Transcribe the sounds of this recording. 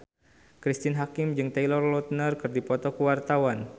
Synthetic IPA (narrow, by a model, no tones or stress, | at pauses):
kɾist̪inɦakimd͡ʒɨŋt̪ɛilɔrlɔt̪̚nərkɨrdipɔt̪ɔkuwart̪awan